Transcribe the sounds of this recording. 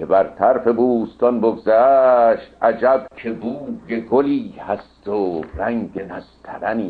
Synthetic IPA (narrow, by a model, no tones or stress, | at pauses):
ebæɾt̪ʰæɾfe̞buːst̪ɒnboɡzæːʃt̪ʔæd͡ʒæbkʰe̞buːɡe̞ɡoliːhæst̪oɾæŋɡenæzt̪ʰæɾæniː